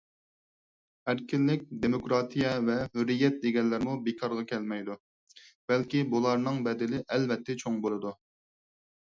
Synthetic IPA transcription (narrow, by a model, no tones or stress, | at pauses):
æɾkʲɪlːɪk̚ʲd̪emokɾɑːt̪ʰijɛvɛhyɾːijɛt̪̚d̪eɡʲɛnlːɪɾmubekʰɑɾʁɑkʲʰɛlmɛjd̪u | b̥ɛlkʲibulˠɑɾnɨŋbɛd̪ɪlɪʔɛlvɛt̪ʰːɛt͡ʃʰoŋbolˠɨd̪u